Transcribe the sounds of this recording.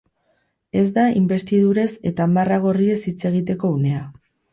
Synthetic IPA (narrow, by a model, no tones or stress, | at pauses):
e̞zd̪aimbe̞st̪ið̞uɾe̞se̞t̪aːmaraɣ̞o̞rie̞sit͡se̞ɣit̪̬e̞ko̞une̞a